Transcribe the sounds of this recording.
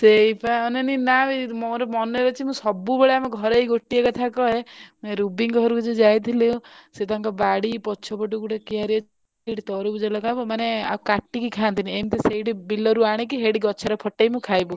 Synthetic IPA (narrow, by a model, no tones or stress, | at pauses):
seipaɔneninaimɔɾɔmɔneɾɔt͡ʃʰimũsɔbubeɭeamɔɡʱɔɾejɡoʈiekɔt̪ʰakɔemeɾubiŋɡɔɦɔɾukid͡ʒɔd͡ʒajt̪ʰileũset̪aŋkɔbaɽipɔt͡ʃʰɔpɔʈukuʈekiaɾiɔ | iʈit̪ɔɾubud͡ʒɔlɔkabɔmanea̰ukaʈːikikʰant̪ʰiniemt̪eseiʈibilɔɾuaɽ̃ik̬iɦeɽiɡɔt͡ʃʰaɾepʰɔʈejmũkʰajbu